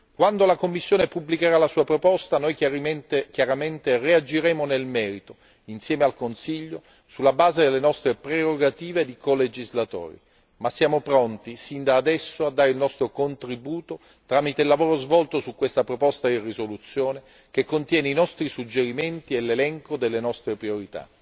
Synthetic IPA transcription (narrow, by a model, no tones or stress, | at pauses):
kwand̪olakomːisːjoːnepublikeɾalasuːapɾopɔst̪anojt̪kjaɾament̪eread͡ʒiɾɛːmonelmɛːɾit̪o | insjɛːmealkonsiʎːo | sulːabaːzed̪elːenɔst̪ɾepɾeɾoɡat̪iːved̪ikoled͡ʒizlat̪o̰ːɾḭ | masːjaːmopɾɔnt̪isind̪aːd̪ɛsːoad̪ːaːɾeilnɔst̪ɾokont̪ɾibuːt̪o | t̪ɾaːmit̪eilːavoːɾozvɔlt̪osukːwest̪apɾopɔst̪ad̪irizolut̪sːjoːne | k̟ekːont̪jɛːneinɔst̪ɾisud͡ʒːeɾiment̪ielːelɛŋkod̪elːenɔst̪ɾepɾioɾit̪a̰